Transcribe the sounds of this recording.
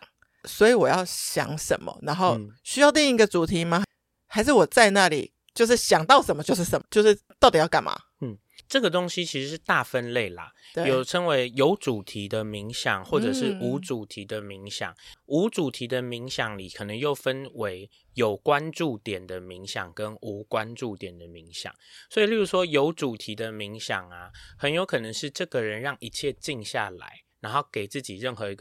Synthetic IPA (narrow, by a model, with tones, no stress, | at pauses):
swɔ˧˥i˨˦wɔ˨˩jɑ˥˩ʊɕjɑ̰˨˩˦ŋʂə̰˨˦nmə̰˨˦na˧˥nxo˥˧ʊɕy˥jɑ˥˧ʊt̪i˥˩ŋ˧˥ɡə˨t͡su˨˩t̪ʰi˧˥ma˧ | xa˧˥ɪʂ̬ɻ̩˥˩wɔ˨˩t͡sa˥˧ɪna˥˨lḭ˨˩ | t͡ɕjo˥˧ʊʂ̬ɻ̩˥˩ɕjɑ˨˩ŋt̪ɑ˥˩ʊʂə˨˩nmə˧˦t͡ɕjo˥˧ʊʂ̬̩˥˩ʂə˨˦m˦t͡ɕjo˥˧ʊʂɻ̩˥˧t̪ɑ˥˩ʊt̪i˨˩jɑ˥˩ʊka̰˨˩nma̰˨ | n̩˥˩ | ʈ͡ʂɤ˥˩ɡə˩t̪o˥ŋɕi˥˦t͡ɕʰi˧˥ʂɻ̩˧˥ʂɻ̩˥˧t̪a˥˨fə˦nle˥˩ɪlə̰˩ | t̪we˥˧jo˨˩˨ʊʈ͡ʂʰə˥ŋwe˧˦ɪjo˧˥ʊʈ͡ʂu˨˩t̪ʰi˧˥d̪ə˧mi˧˥ŋɕjɑ˨˩˦ŋxwɔ˥˩ʈ͡ʂə˨˩ʂɻ̩˥˩u˨˦ʈ͡ʂu˨˩t̪ʰi˧˥d̪ə˧mi˧˥ŋɕjɑ̰˨˩˦ŋu˧˥ʈ͡ʂu˨˩t̪ʰi˨˥d̪ə˧mi˧˥ŋɕjɑ˨˩ŋli˨˩kʰɤ˨˩nə˧˦ŋjo˥˩ʊfə˦nwe˧˥ɪ | jo˨˩ʊkwa˦nʈ͡ʂu˥˩t̪jɛ˨˩nd̪ə˩mi˧˦˥ŋɕjɑ̰˨˩ŋkə˦˥nu˨˥kwa˦nʈ͡ʂu˥˩t̪jɛ˨˩nd̪ə˩mi˧˥ŋɕjɑ̰˨˩˦ŋswɔ˧˥i˨lu˥˩ɻu˧˥ʂwɔ˥jo˧˦˥ʊʈ͡ʂu˨˩t̪ʰi˧˥d̪ə˧mi˧˥ŋɕjɑ˨˩ŋa˩xə˨˦njo˧˥ʊkʰɤ˨˩nə˧˦ŋʂɻ̩˥˧ʈ͡ʂɤ˥˩ɡə˩ɻə˨˦nɻɑ˥˩ŋʔi˧˥t͡ɕʰjɛ˥˧t͡ɕi˥˧ŋɕja̰˥˨˩la̰˧˦ɪna˧˥nxo˥˩ʊke˨˩ɪt͡sɹ̩˥˩t͡ɕi˨˩ɻə˥˩nxɤ˧˦i˧˥ɡ